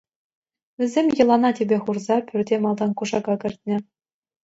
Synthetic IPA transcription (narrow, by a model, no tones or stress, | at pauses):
ʋʲɘ̆zʲemʲjɤ̆lˠɑnɑtʲibʲeχurzɑpʲyrʲdʲemɑlˠd̪ɑnkuʐɑɡɑkʲɘ̆rʲt̪ʲnʲɘ̆